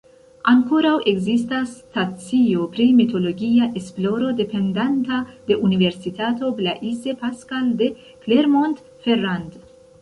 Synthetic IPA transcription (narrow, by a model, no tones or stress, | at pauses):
aŋko̞ɾawʔe̞ɡzistastat͡sio̞pɾimito̞lo̞ɡiaʔe̞splo̞ɾo̞de̞pe̞ndantade̞ʔunive̞ɾsitato̞blaʔize̞paskalde̞ | kleɾmont | feɾand